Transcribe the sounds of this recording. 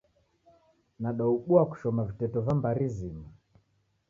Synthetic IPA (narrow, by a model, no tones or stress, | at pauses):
naɗauɓuaku̥ʃɔmavitɛtɔvambaɾizima